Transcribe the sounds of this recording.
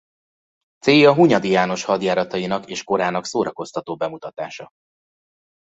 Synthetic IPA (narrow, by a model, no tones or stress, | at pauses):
t̪seːjɒɦuɲɒd̪ijaːno̞ʃhɒd̪jaːɾɒt̪ɒjinɒkeːʃko̞ɾaːnɒksoːɾɒko̞st̪ɒt̪oːbɛmut̪ɒt̪aːʃɒ